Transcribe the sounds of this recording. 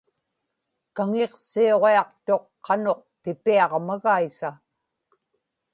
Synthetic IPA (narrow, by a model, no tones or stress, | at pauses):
kaŋe̞qsio̞ʁeɑqt̪o̞qːɑno̞q̚pɪpiɑʁmaɣaisa